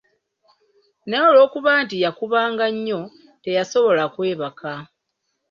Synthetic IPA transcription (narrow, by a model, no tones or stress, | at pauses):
neolo̞ːkuβaːntijakuβaːŋɡaɲːo̞ | te̞jaso̞βo̞lakwe̞ːβaka